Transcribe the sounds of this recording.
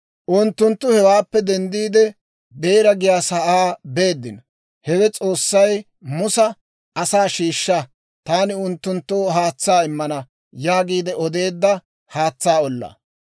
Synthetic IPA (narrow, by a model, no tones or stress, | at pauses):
ʔʊnt̪ːʊnt̪ːʊhɛwaːpːɛd̪ɛnd̪iːd̪ɛ | be̞ːɾɐɡɪjaːsɐʔaːbe̞ːd̪ːɪnɔ | hɛwɛt͡sʼo̞ːsːɐj | mʊsɐ | ɐsaːʃiːʃːɐ | t̪aːnɪʊnt̪ːʊnt̪ːoːɦaːt͡sːaːɪmːɐnɐ | jaːɡiːd̪ɛʔɔd̪e̞ːd̪ːɐ | haːt͡sːaːɔlːa̰ː